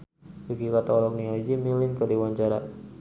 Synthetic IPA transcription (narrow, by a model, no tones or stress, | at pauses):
bikikat̪aɔlɔk̚niɔlɔd͡ʒimilɪnkədiwaɲt͡ʃaɾa